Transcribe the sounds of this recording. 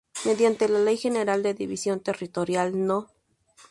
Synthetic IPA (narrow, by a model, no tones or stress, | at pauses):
meðjant̪elalejxeneɾald̪eðiβisjo̞nt̪erit̪oɾjalno